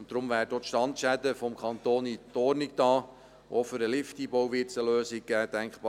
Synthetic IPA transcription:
ʊntd̥ɾʊmvæːɾdotʃtɑntʃædəfɔmkʰɑnt̪oːnitoɾnɪk̚tɑː | ʔoføɾəlɪftiːbowʋɪsəløːsɪk̚ɡ̥æːd̥æŋkχb̥ɑ

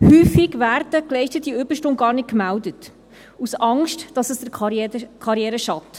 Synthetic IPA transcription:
hyːfiɡʋæːɾdəklɛɪçtətːiʏbəɾʃtoŋɡɑːɾrnɪt̚kmældət | usɑŋʃtd̥ɑsəsd̥əkʰɑɾjɛːɾəʃɑt

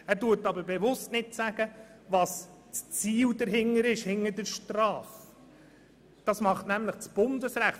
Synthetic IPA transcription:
æːɾtuːtɑbəɾbɛvʊstnɪtsæɡ̥əʋɑs | t͡st͡siːldəɾɦɪŋəɾɪʃhɪŋːəɾdəɾʃtrɑːf | d̥ɑsmɑχtnæmləχt͡sb̥ʊndəsɾæχ

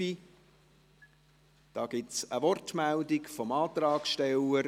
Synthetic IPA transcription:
i | d̥ɑːɡ̥ɪtsəʋɔrtmældikfɔmɑːt̪ɾɑːkʃtɛləɾ

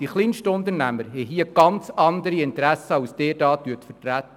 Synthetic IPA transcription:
d̥iχlinʃtəʊnt̪əɾnæməɾɦɛɦiəɡ̥ɑnt͡sɑnd̪əɾiɪntɾæsəɑʊsd̥ɛːɾdɑːtyətfəɾtɾæt̪ːə

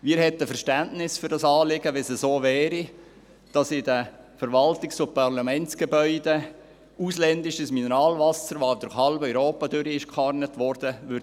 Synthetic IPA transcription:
miːɾhɛtəfəɾʃtæntnɪsfʏɾd̥ɑsɑːlɪɡəʋɛsəsoːvɛːɾi | d̥ɑsɪdə | fəɾʋɑltɪksopɑrlɑmɛnt͡sɡ̥ebœʏde | uslɛndɪʃəsminɛɾɑːlvɑsəɾʋod̥̪əɾχhɑlbœʏɾoːpɑdʏɾiɪʃkχɑrnətʋɔrd̥əʋʏɾ

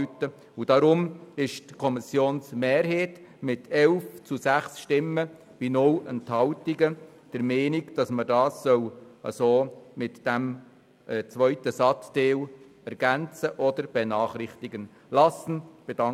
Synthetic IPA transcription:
ytə | ud̥ɑɾʊmɪʃtkʰɔmɪsjoːnsmeːɾɦeːt | mɪtʰɛlft͡susæχsʃtɪmːə | b̥inʊlənthɑltiɡə | d̥əɾmeːniɡd̥ɑsmədɑːsːœwə̰soːmɪtd̥æm | ɛt͡sʋœʏtəsɑtd̥eːw | ɛɾɡ̥ænt͡səʔɔd̪əɾb̥enɑːχrɪχtiɡən | lɑsən̩b̥ed̥ɑ

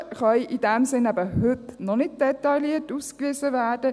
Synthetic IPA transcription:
χœjʔidɛmsɪnæbəhʏt̪nɔnɪt̚d̥ɛt̪ɑliətuːskʋiːzəvæːdə

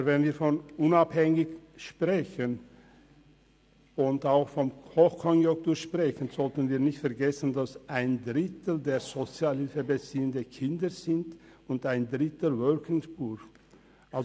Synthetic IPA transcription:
vɛnviːɐfɔnʔʊnaphɛŋɪçʃpʁ̥ɛçən | ʊntaʊxfɔmhoxkʰɔnjʊŋk̚tuːʃpʁ̥ɛçənz̥ɔltənviːɐnɪçtfɛɐɡɛsən̩dasʔaɪndʁɪtl̩deːɐz̥ot͡sjaːlhɪlfəbet͡siːəndəkʰɪndəz̥ɪnt | ʊntaɪndʁɪtəvœlkʰɪŋsb̥uː | ʔalz

